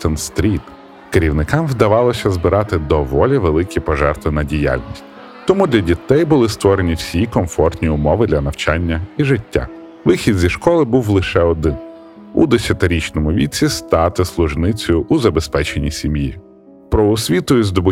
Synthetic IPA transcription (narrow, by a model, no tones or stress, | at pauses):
t̪ɔnst̪ɾʲit̪ | keɾʲiwnɪkɑmwd̪ɐʋɑlˠɔsʲɐzbɪɾɑt̪ɪd̪ɔʋɔlʲiʋelˠɪkʲipɔʒɛ̰rt̪ʋɪnɐdʲija̰lʲnʲisʲtʲ | t̪ɔmud̪lʲɐdʲit̪ɛjbʊlˠɪst̪ʋɔɾenʲiw̥sʲikɔmfɔrt̪ʲnʲiʊmɔʋɪd̪lʲɐnɐwt͡ʃɑnʲːɐiʒɪtʲːa̰ | ʋɪxʲid̪zʲiʃkɔlˠɪbuwlˠɪʃɛɔd̪ɪn | ṵd̪esʲjɐt̪ɪɾʲit͡ʃnɔmʊʋʲit͡sʲist̪ɑt̪ɪslˠʊʒnɪt͡sʲɔjʊʔuzɐbespɛt͡ʃe̞nʲisʲimji | pɾɔʊsʲʋʲit̪ɔjʊzd̪ɔbʊ